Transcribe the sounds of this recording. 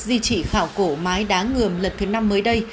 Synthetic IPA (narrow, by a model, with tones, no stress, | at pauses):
zi˧t͡ɕḭ˧˩xaː˧˩wko˧˩maː˨˦jɗaː˨˦ŋɨ˨˩əmlə˨˩nt̪ʰɨ˨˦na˧mːəː˨˦jɗə˧j